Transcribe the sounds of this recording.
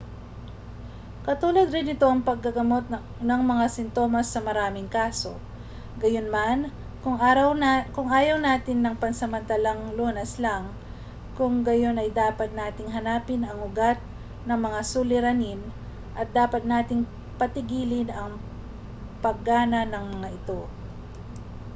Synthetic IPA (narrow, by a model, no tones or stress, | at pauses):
kɐt̪uːlɐd̪ɾɪnɪt̪o̞ʔɐŋpɐɡ̚ːɐɡɐmo̞t̪̚ | nɐŋmɐŋasɪnt̪o̞mɐsːɐmɐɾaːmɪŋkaːso̞ | ɡɐjonman | ʊŋwkʊŋaːjɐwnaːt̪ɪnːɐŋpɐnsɐmɐnt̪alaŋloːnɐslaŋ | kʊŋɡɐjo̞nɐjd̪aːpɐt̪̚naːt̪ɪŋɦɐnaːpɪnɐŋʊɡat̪̚ | nɐŋmɐŋasulɪɾɐnɪn | ʔɐt̪̚d̪aːpɐt̪̚naːt̪ɪŋ | pɐt̪ɪɡiːlɪnɐŋ | pɐɡːaːnɐnɐŋmɐŋaʔɪt̪o̞